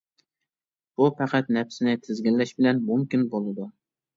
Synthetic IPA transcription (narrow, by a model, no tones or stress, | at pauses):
b̥upʰæqʰæt̪nɛpsɪnɪt̪ʰɪzɡʲɪlːɛʃbɪlɛnmuŋkʲynbolˠɨd̪u